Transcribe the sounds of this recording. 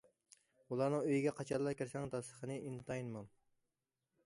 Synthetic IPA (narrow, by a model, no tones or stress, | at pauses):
ulˠɑɾnɨŋøjiɡʲɛqʰɑt͡ʃʰɑɾlˠɑɾkʲiɾsɛŋd̪ɑsəχʰənɨint̪ʰɑjnmɑn